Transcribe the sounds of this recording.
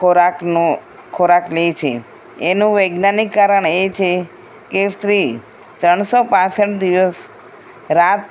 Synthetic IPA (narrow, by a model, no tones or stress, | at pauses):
oɾaknu | kʰːoɾaklet͡ʃʰḛ | enũʋəjɡnanikːaɾəɳet͡ʃʰe | kest̪ɾi | t̪ɾəɳsopãsəʈd̪iʋəs | ɾat̪